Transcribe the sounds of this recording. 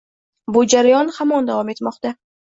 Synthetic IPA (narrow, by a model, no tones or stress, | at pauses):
bʊd͡ʒaɾajɒnhamɒnd̪avɒme̞t̪mɒqt̪a